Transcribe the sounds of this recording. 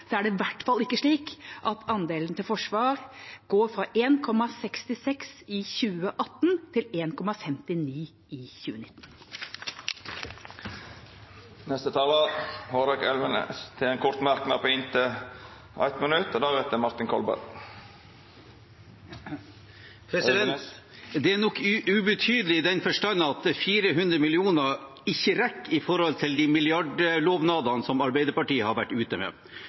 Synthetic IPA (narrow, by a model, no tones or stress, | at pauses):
sɔæːɖɛʋæʈːfɑlɪkːəʂɭiːkʔɑt̪ʰɑnd̪eːlənt̪ɪlfɔʂʋɑːɾɡ̥oːɾfɾɑʔeːnkʰɔmɑsɛkst̪ɪsɛksɪçʉːəʔɑt̪ːnt̪ʰɪleːnkʰɔmɑfɛmt̪ɪniː | ɪçʉ̰ːənɪt̪ːn | nɛst̪ət̪ʰɑːlɑhoːɾɑkɛlʋənə̰st̪ʰɪlɛːnkʰʊɾt̪mɑɾknɑ̰d̪pʰoːɪnt̪ʰə | æ̰ɪt̪mənʉt̪ːod̪ɑɾɛt̪ːəmɑɾt̪ɪnkʰɔ̰lbɑ̰ɾ | d̪ɛænɔkːʉbət̪ʰyːd̪əlɪd̪ɛnfœʂʈɑnːɑɑt̪̚əfiːɾəɦʉnd̪ɾəmɪlɪuːnə | ɪçəɾɛkːɪfɔɾhɔlt̪ʰɪld̪imɪlɪɑɖəloːʋnɑːd̪ɑnsɔmɑɾbæɪd̪əɾpɑʈiːəhɑɾʋæʈːʉːt̪əmḛː